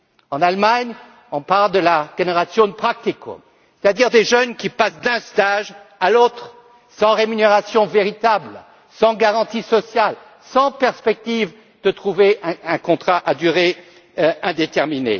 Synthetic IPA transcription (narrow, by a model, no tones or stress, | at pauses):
ɑ̃nalmaɲ | ɔ̃paʁld̪əlaʒ̥eneʁasjɔ̃d̪əpχak̚t̪ikʰo̰ | se̥t̪ad̪iʁd̪eʒœnkʲipasd̪ɛ̃st̪aʒalot̪χ | sɑ̃ʁemyneʁasjɔ̃veʁit̪abl | sɑ̃ɡaʁɑ̃t̪isɔsjal | sɑ̃pɛʁspɛk̚t̪iv | d̪̥ət̪χuveɛ̃ɛ̃kɔ̃t̪χaʔad̪yʁe | ɛ̃d̪et̪ɛʁminḛ